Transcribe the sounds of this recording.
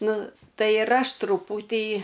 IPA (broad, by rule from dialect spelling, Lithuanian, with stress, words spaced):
ˈnʊ ˈtɐɪ ɪr ˈɐʃ trʊˈpuːtʲiː